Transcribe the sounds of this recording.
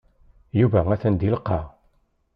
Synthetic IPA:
juvææθænd̪ilqːɑ

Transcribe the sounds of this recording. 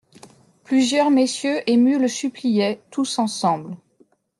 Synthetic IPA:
plyzjœʁmesjøʔemyləsyplijɛt̪usɑ̃sɑ̃bl

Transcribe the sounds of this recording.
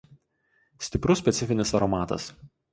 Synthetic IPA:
sʲt̪ʲɪpɾʊsʲpʲɛt̪sʲɪfʲɪnʲɪsɐɾɔmɑːt̪ɐ̰s

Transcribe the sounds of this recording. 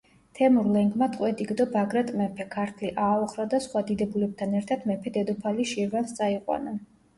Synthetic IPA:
t̪ʰɛmuɾlɛŋɡmat̪ʼqʼwɛd̪iɡd̪ɔbaɡɾɛt̪ʼmɛpʰɛkʰaɾt̪ʰliʔaɔχɾad̪asχwad̪id̪ɛbulɛb̚t̪ʰanɛɾt̪ʰad̪mɛpʰɛd̪ɛd̪ɔpʰaliʃiɾvanst̪sʼaiqʼwa̰na

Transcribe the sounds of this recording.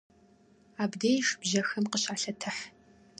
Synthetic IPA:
aːbdeːjxbʒɐxɐmqəɕaːɬɐtʰɨħ

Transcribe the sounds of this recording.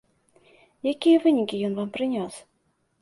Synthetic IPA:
jakʲijɐvɨnʲikʲijɔnvampɾɨnʲɔs

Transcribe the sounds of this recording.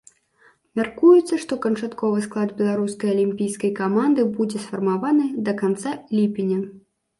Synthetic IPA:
mʲarkujut̪sːɐʂt̪ɔkɐnt͡ʂat̪kɔvɨsklˠad̪bʲɛlˠaɾuskɐjɐlʲimʲpʲijskɐjkamand̪ɨbud͡zʲɛsfɐrmavanɨd̪ɐkant̪salʲipʲinʲɐ

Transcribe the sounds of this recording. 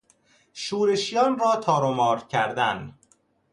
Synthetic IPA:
ʃuːɾe̞ʃjɒːnrɒːt̪ʰɒːɾomɒːɾcʰæɾd̪æn

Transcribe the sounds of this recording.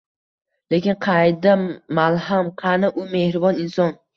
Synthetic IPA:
le̞kʲɪnqʰɑjd̪amalˠhamqʰanaʔʊmehɾɪbɒnɪnsɒn

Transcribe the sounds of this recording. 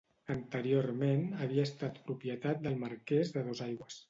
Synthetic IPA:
ənt̪əɾioɾmenəβ̞iəst̪at̪pɾupjət̪at̪̚d̪əlˠməɾkɛzðəðozajɣwəs

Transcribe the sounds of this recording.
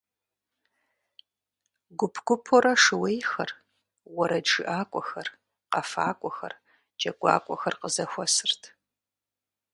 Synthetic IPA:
ɡʷʊpʰɡʷʊpʰoɾɐʂɨwejxɐr | wɔɾɐd͡ʒɨʔaːkʷʼɔxɐr | qɐfa̰ːkʷʼɔxɐ̰r | d͡ʒɐɡʷa̰ːkʷʼɔxɐrqəzɐxʷɔsɨrtʰ

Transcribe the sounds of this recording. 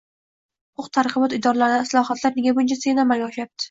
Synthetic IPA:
hʊqʰʊqt̪ʰaɾqɨbɒt̪ɪd̪ɒɾlaɾd̪aslˠɒhat̪ʰlaɾnɪɡʲabʊnt͡ʃʰasenamːalɡʲaɒʃajap̚t̪ʰɪ̥

